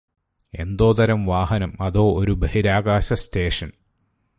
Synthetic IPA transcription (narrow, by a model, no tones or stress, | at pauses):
e̞̰nd̪o̞ːt̪ɐɾɐmʋaːɦɐnɐmɐðo̞ːɾubehiɾaːɡaːɕɐsteːʂɐn